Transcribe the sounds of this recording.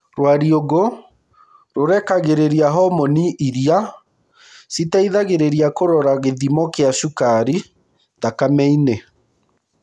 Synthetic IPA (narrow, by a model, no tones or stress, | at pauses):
ɾwaɾioɣo | ɾoɾɛkaɣeɾeɾjaɦɔmɔniʔiɾia | sitaiðaɣeɾeɾiakoɾɔɾaɣeðimɔkeaʃukaɾi | ðakamɛine